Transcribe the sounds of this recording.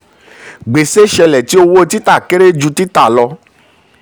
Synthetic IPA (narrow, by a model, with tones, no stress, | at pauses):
ɡ͡be˨se˦ʃɛ˧lɛ˨ti˨˦o˧wo˦˧ti˦ta˦˨ke˦ɾe˦d͡ʒu˧ti˦ta˦˨lɔ˧